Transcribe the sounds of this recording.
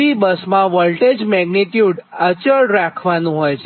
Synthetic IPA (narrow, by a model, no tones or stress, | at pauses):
ibəsmãʋəlʈed͡ʒmɛɡnit̪juɖət͡ʃəɭɾakʰʋanũɦɔjt͡ʃʰe